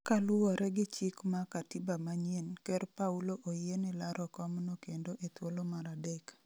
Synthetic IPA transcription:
kalʊwɔɾɛɡɪt͡ʃɪkmakatibamaɲenkɛɾpauloʔojenɪlaɾʔɔkɔmnokendoʔet̪wolomaɾadɛk

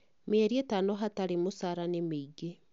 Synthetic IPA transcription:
meɛɾietanɔɦataɾemosaɾanemeiɡe

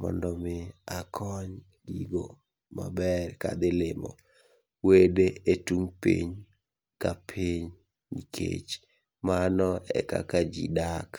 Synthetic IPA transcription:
mɔ̰ndɔmɪakʰɔɲ | ɡiɡo̰ | ma̰bɛrka̰d̪ɪlɪmɔ̰ | wedeetuŋpḭɲ | kapʰiɲ | nikʰḛt͡ʃ | manɔɛ̰ka̰kad͡ʒḭdak

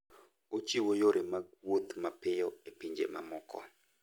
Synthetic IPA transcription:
ot͡ʃiwojoɾɪmawot̪mapɪjoepiɲd͡ʒḛma̰mɔkʰɔ̰

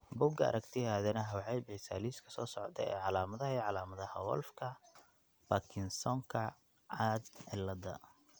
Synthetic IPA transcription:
bʊɡɐɐ̰ɾɐɡt̪ʰɪaːðɛnɐɦɐwʕɛjbɛjsaːliːskʰɐ̥sɔːsɔʕɔt̪ʰɛ̰ɛ̰ːʕɑlaːmɐðɐhɐiʕɑlaːmɐðɐhɐwɔ̰lfkʰɐ | b̥ɐkʰɪnsɔŋkʰɐ | ʕaːd̪ʕɪlːɐd̪ɐ̰

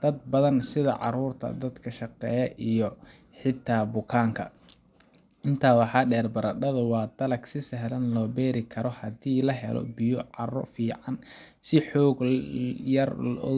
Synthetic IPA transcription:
d̪̥ɐd̪̚bɐðɐnsɪðɐ̰ʕɑ̰ɾuːrt̪ʰɐ̰d̪ɐd̪kʰɐʃɑqɛːjɐʔijɔ | ħɪt̪ʰːaːbʊkʰaːŋkʰɐ̰ | ʔɪnt̪ʰaːwɑħɑːɖɛːrbɐɾɐɖɐðɐwɑːd̪ɐlɐɡsɪsɛɦlɐnlɔːbɛːɾɪkʰɐɾɔhɐdiːlɐɦɛ̰lɔ̰bɪjɔʕɑrɔ̰fiːʕɑn | sɪħɔːɡjɐrlʔɔ̰

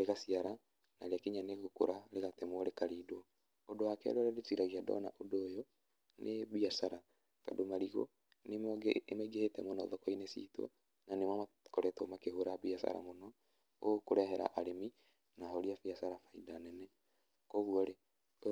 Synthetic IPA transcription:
ɾeɣasiaɾa | naɾeakiɲaneɣoko̰ɾʔaɾeɣatemwɔɾekaɾiːdwɔ | odowakɛ̰ɾɔɾɛdetiɾaɣiadɔ̰na̰ʔodoːjɔ | nʔeβiasaɾa | ka̰domaɾiɣo̰ | nemɡmaɡehetɛmonɔðɔkɔinesḭtwɔ̰ | nanemama | koɾɛtomakeɦoɾaβiasa̰ɾa̰monɔ | okoɾɛɦɛɾa̰ʔaɾemi | naɦoɾiafiasaɾafaidanɛnɛ | kɔɣuɔɾe

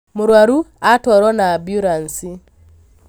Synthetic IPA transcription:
muɾwaɾuatoɾonabjuɾansi

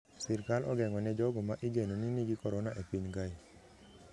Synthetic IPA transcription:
sɪrkalɔɡɛŋɔnɛd͡ʒɔɡɔmaʔiɡenoniniɡikɔɾɔnaʔepiɲɡai

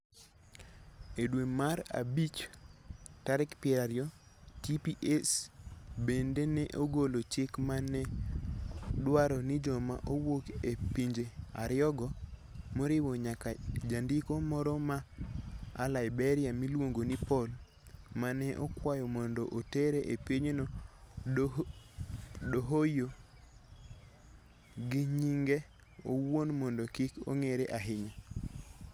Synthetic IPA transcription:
edwemaɾa̰bit͡ʃ | taɾɪkpjɛɾaɾjɔtipiʔesbendenɛʔoɡolot͡ʃɪkmanɛ | dwaɾɔnɪd͡ʒɔmaʔowokepiɲd͡ʒea̰ɾɪɔɡɔmoɾɪwɔɲakad͡ʒandikomɔɾɔma | a̰laɪbeɾɪamilwoŋɡonipɔl | manɛʔɔ̰kwajɔmɔndɔʔoteɾeʔepiɲenɔ | ɗoɦojo | ɡiɲiŋɡe | owonmɔndɔkiko̰ŋeɾeʔaɦɪɲa

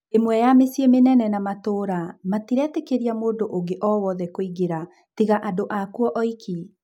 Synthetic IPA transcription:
emwɛjamesjemenɛnɛnamatoːɾamatiɾɛtekeɾiamoːdoʔoɡeʔɔwɔðɛkoiɡeɾa | tiɣaʔadoʔakuɔʔɔikʰi

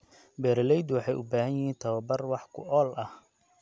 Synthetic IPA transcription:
bɛːɾɐlɛjd̪wɑħɑjʔʊ̰baːhɐnjɪhiːnt̪ʰɐβɐbɐrwɑħkʰʊ̰ʔɔːlɐh

